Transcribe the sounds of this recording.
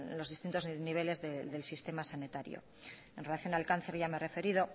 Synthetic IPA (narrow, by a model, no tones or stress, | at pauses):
lo̞zð̞ist̪int̪o̞zniβ̞e̞le̞zðeðe̞lsist̪e̞masanit̪aɾjo̰ | enrelaθjo̞nalkanθe̞ɾʝameere̞fe̞ɾiðo̞